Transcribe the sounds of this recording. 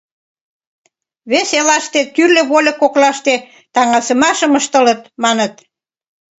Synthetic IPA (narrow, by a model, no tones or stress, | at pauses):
βeselɑʃt̪et̪yrlʲə̆βolʲəkoklɑʃt̪e | t̪ɑŋɑsəmɑʃəməʃt̪ələt̪mɑnət̪